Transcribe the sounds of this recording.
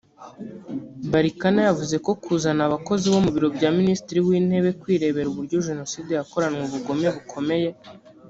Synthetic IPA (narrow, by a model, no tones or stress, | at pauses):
baɾikanajavuze̞ko̞kʰuːzanaβako̞ziβo̞muβiɾo̞bɟaːministiɾiwiːn̥he̞βe̞kwiːɾe̞βe̞ɾuβuɾɟoʒe̞no̞sidejako̞ɾanŋweβuɡo̞meβukʰo̞me̞je̞